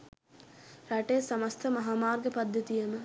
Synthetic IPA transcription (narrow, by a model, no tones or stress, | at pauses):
ɾaʈesɐməst̪ʰəmɐɦaːmaːrɡəpɐd̪ʱjɐt̪ijəmə